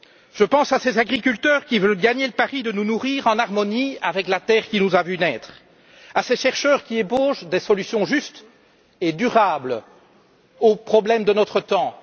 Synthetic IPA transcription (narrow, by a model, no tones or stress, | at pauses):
ʒ̥əpɑ̃sasezaɡʁikʲylt̪œːʁkʲivœlɡaɲeləpaʁid̪ənunuʁiːʁɑ̃naʁmɔniavɛklat̪ɛːʁkʲinuzavynɛːt̪χ | aseʃɛʁʃœːʁkʲieboʒd̪esɔlysjɔ̃ʒyst̪ | ed̪yʁabl | opχɔblɛmd̪ənɔt̪χət̪ɑ̃